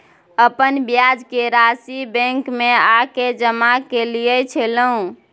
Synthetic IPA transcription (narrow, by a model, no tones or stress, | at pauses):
əpənbjad͡ʒkeɾasibɛ̃ŋkmeaked͡ʒəmakelijət͡ʃʰeləũ